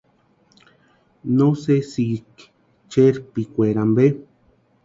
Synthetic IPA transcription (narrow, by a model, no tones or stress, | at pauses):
nõsesik | t͡ʃeɾpikʷeɾambe